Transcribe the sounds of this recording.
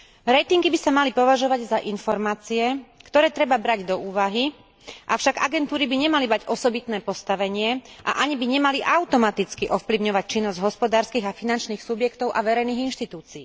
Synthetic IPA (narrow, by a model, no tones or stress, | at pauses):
ɾɛjt̪iŋɡibisamalipɔʋaʒɔʋaɟzaʔinfɔɾmaːt͡siɛkt̪ɔɾɛːt̪ɾɛbabɾaɟd̪ɔuːʋaɦi | ʔafʃaɡa̰ɡɛnt̪uːɾibiɲɛmalimaɟʔɔsɔbit̪nɛːpɔst̪aʋɛɲɪɛʔa̰ʔaɲibiɲɛmaliʔaʊt̪ɔmat̪it͡skiʔɔfpliʊɲɔʋac̚t͡ʃinːɔzɟɦɔspɔd̪aːɾskiːɣafinant͡ʃniːxsubjɛkt̪ɔʊʔaʋɛɾɛjniːɣinʃt̪it̪uːt͡siː